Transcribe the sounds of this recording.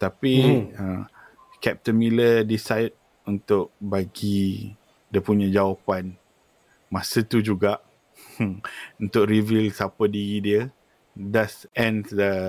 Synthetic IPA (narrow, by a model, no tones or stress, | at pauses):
t̪apiə | kɛp̚t̪ənmilədisajd̚ | unt̪ʊk̚baɡi | diəpuɲãd͡ʒawapan | mãsət̪ud͡ʒuɡaʔ | unt̪ʊk̚ɾivilsapədiɾidiə | dasɛ̃ndə